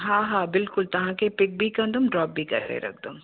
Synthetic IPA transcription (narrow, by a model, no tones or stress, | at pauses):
ɦãːɦãːbɪlkʊlt̪ɐɦãkepɪk̚bʱikɐ̃nd̪ʊmɖɾɔːp̚bʱikɐ̰ɾːḛɾɐ̰k̚ʰd̪õm